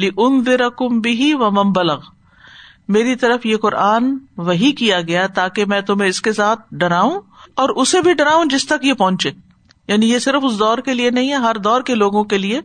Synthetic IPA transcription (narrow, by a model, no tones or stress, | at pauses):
lɪʔʊnðɪɾɐkʊmbɪɦiʋɐmɐ̃nbɐlɐɣ | meːɾit̪ɐɾəfjeqʊɾaːnʋɐɦikijaɡɐjat̪aːkemɛ̃ːt̪ʊm̤ẽɪskesaːt̪̚ʰɖɐɾaːũɔːɾʔʊsebʱiɖɐɾaːũd͡ʒɪst̪ɐkjepɔ̃ɦʊ̃nt͡ʃeː | jaːnijesɪɾəfʊsd̪ɔːɾkelienɐɦĩɦɛɦɐɾd̪ɔːɾkeloːɡõkelie